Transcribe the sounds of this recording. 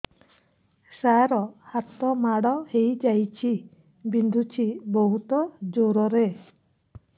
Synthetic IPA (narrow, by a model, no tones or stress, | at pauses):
saɾɔhat̪ɔmaɽɔhejd͡ʒajt͡ʃʰi | bind̪ʱut͡ʃʰibɔɦut̪ɔd͡ʒoɾɔɾe